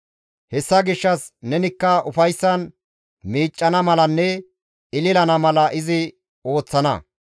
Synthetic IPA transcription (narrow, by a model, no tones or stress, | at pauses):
hɛsːɐɡɪʃːɐsnɛnɪkːɐʊfɐjsːɐn | miːt͡ʃʼːɐnɐmɐlɐnːɛ | ɪlɪlɐnɐmɐlɐʔɪzɪ | o̞ːt͡sːɐnɐ̰